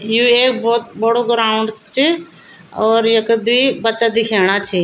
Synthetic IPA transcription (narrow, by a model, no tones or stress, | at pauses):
juːeːkbɔːt̪̚bəɽoɡəɾaːɳɖt͡ʃʰi | ɔːɾjəkəd̪ibətːt͡ʃad̪ɪkʰeːɽ̃at͡ʃʰi